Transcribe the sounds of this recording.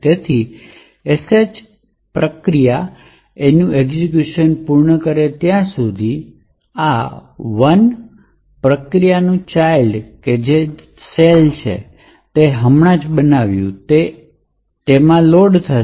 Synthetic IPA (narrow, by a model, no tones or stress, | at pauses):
t̪et̪ʰi | esed͡ʒ | pɾəkɾija | enũʔeɡzikjuʃənpuɾɳəkəɾet̪jãsud̪ʱi | aʋən | pɾəkɾijanũt͡ʃajlɖked͡ʒe | selt͡ʃʰḛ | t̪eɦəmɳãd͡ʒbənaʋjṵ̃t̪e | t̪emãloɖt̪ʰə